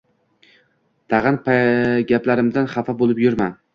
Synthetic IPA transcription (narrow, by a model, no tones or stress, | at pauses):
t̪ʰɑʁanpʰaɡʲaplaɾɪmd̪anχafabolˠɪpjʊɾman